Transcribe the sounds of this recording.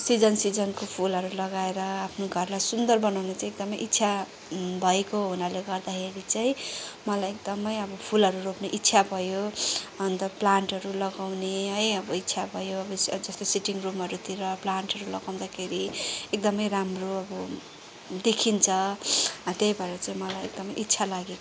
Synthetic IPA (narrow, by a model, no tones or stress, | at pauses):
sid͡zʌnsid͡zʌnkopʰulɦʌɾulʌɡaeɾʌapʰnoɡʱʌrlajsund̪ʌrbʌnawnet͡saĩek̚d̪ʌmʌjʔit̪ːsʰa | bʱʌekoɦunaleɡʌrd̪akʰeɾit͡saĩmʌlajekd̪ʌmʌjʌbʌpʰulɦʌɾuropneʔit̪ːsʰabʱʌjoʌnt̪ʌɾʌplaɳʈɦʌɾulʌɡawneɦʌjʌbʌit̪ːsʰabʱʌjoʌbʌd͡zʌst̪osiʈiŋrumɦʌɾut̪iɾʌplaɳʈɦʌɾulʌɡawd̪akʰeɾiek̚d̪ʌmʌjɾamroʌbʌ | d̪ekʰint͡sʰʌ | t̪ejbʱʌeɾʌt͡saĩmʌlajḛk̚d̪ʌmʌjʔitːsʰalaɡeko